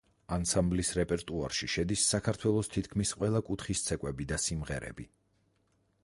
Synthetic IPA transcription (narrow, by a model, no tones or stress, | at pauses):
ansamblisɾɛpʼɛɾt̪ʼuaɾʃiʃɛd̪isːakʰaɾt̪ʰwɛlˠɔst̪ʰit̪ʰkʰmisqʼwɛlˠakʼut̪ʰχist̪sʰɛkʼwɛbid̪asimʁɛɾɛ̰bi